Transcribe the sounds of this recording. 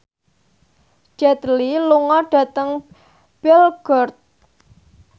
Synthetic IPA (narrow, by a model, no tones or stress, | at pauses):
d͡ʒ̥ɛt̪liluŋɔɖ̥a̤t̪əŋ | b̥ɪlɡ̥ɔrt̪̚